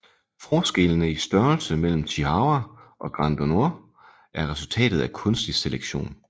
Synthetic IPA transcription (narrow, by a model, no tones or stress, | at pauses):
fɒːsɡ̥e̝lənəisd̥ɶɐlsəmel̰m̩t͡sʰihɑ̈ʊɐʔɒ̽ɡ̥ʁɑnd̥ono̝ɐ̰ | ʔæɐʁɛsult͡sʰɛ̰ːd̥ð̞̩ˠækʰɔ̽nsd̥iseleɡ̥ɕo̝̰ːn